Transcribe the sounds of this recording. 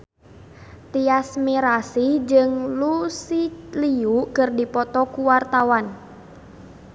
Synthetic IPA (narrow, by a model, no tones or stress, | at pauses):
t̪iasmiɾasid͡ʒɨŋlusiliukɨrdipɔt̪ɔkuwart̪awan